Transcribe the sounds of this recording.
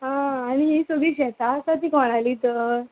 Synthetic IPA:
ɦãːɽ̃iisoɡiːɕɛt̪asat̪iːkɔɽ̃aliːt̪əɾ

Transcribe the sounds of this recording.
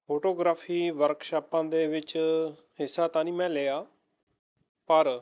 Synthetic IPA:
poːʈoːɡɾaːpʰiːʋəɾkʃaːpãːd̪eːʋɪt͡ʃ | ɦɪsːaːt̪ãːnĩːmɛ̃ːleːjaː | pəɾ

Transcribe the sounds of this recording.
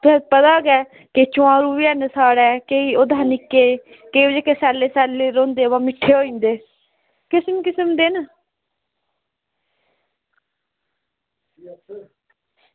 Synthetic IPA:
t̪ʊsɛ̃pət̪aːɡɛː | ket͡ʃʊãːɾuːʋiɛːnəsaːɽɛːkeiːoːd̪aːnɪkːeː | keːd͡ʒeːkesɛːleːsɛːlːeːɾõːnd̪eːʋaːmɪʈʰːeːoːĩːnd̪eː | kɪsəmkɪsəmd̪eːn

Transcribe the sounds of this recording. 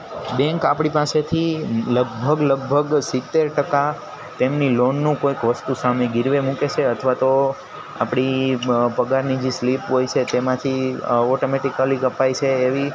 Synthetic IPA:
bɛ̃ŋkapɽ̃ipaset̪ʰiləɡbʱəɡləɡ̚bʱəɡsit̪ːeɾʈəka | t̪emnilonːũkoikʋəst̪usameɡɪɾʋemũket͡ʃʰeət̪ʰʋat̪o | a̰pɽ̃ipəɡaɾnid͡ʒeslipɦojt͡ʃʰet̪emãt̪ʰiɔʈomeʈikəlikəpajt͡ʃʰeːʋi

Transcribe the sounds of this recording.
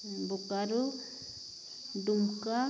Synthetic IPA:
bukaɾu | ɖumka

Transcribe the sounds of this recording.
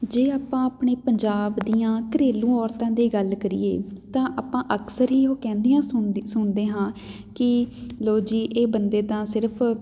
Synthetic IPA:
d͡ʒeːaːpãːapɳeːpəɲd͡ʒaːbd̪ijãːkəɾeːlũːɔːɾt̪ãːd̪iːɡəlkəɾḭːḛːt̪ãːʔaːpãːʔəksəɾɦiːɦoːkɛ̃ːnd̪iːãːsʊsʊɳd̪eːɦãː | kɪloːd͡ʒiːʔeːbənd̪eːd̪ãːsɪɾpʰ

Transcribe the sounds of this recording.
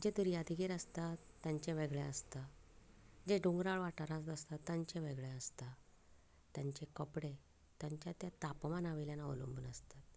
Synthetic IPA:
d͡ʑed̪uɾijad̪ʱiɡiːɾəst̪a | t̪ːjãɲt͡ɕẽʋeɡɭẽəst̪a | d͡ʑeɖuŋɡɾaɭʋaʈaɾast̪əst̪at̪ːaɲt͡ɕẽʋeɡɭẽəst̪a | t̪jaɲt͡ɕekəpɽe | t̪jaɲt͡ɕjat̪jat̪apmanaʋiljanao̰lṵmbənəst̪at̪̚

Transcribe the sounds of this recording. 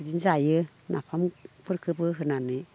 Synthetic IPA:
d͡ʒiɲzajɯ | nʔa̰pʰampʰɯɾkʰɯbɯɦɯnani

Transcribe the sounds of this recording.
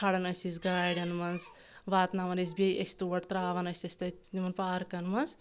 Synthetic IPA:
kʰaɽɐnɐsizɡaːjɖɐnmɐnz | ʋaːt̪naːmɐnɐs̬bʲejʔesʲt̪uːʋɐʈt̪ɾaːʋɐnɐsʲɐsʲt̪ɐ | imɐnpaːɾkɐnmɐnz

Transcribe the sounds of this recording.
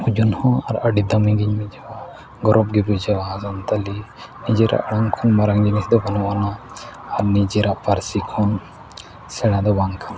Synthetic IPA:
ud͡ʒunhɔ̃aɾəɖid̪amĩɡiɲmid͡ʒawa | ɡɔɾɔpɡɛbid͡ʒawazant̪alinid͡ʒɛɾa̰ʔɽaŋkʰɔnmaɾaŋd͡ʒinisd̪ɔbanɔwanaː | ɾnid͡ʒɛɾaʔpaɾsikʰɔn | sɛɽ̃ãd̪ɔbaŋkʰana

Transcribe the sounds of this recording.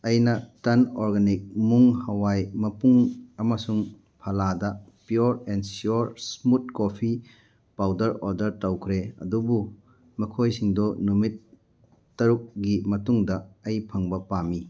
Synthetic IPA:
ɐjnɐtɐnoɾɡanik̚muŋhɐwajmɐpuŋɐmɐsuŋ | pʰɐladɐpjuɾensiuɾsmut̚kopʰi | pawdɐɾoɾdɐɾtɐwkʰɾeɐ̰dubu | mɐkʰojsiŋdonumit̚ː | ɐɾuk̚ɡimɐtuŋdɐɐjpʰɐŋbɐpami

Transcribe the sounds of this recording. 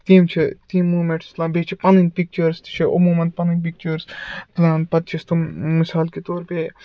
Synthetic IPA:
t̪iːmt͡ʃʰit̪iːnmuːmeʈst̪lãːbet͡ʃʰipɐninpik̚t͡ʃəɾst̪t͡ʃʰiʔʊmuːmɐn̚pɐninpik̚t͡ʃəɾst̪lãːnpɐt̪̚t͡ʃʰist̪umɪsaːlkit̪oːɾpeː

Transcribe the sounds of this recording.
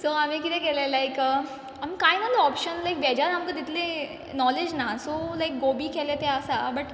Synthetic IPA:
soam̤ikit̪ekelelajkə | amikajnəlɔpʃənlajk̚bɛd͡ʑaɾamkət̪it̪ʰlẽ | nɔled͡ʑnasolajk̚ɡobikʰelet̪eəsabəʈ

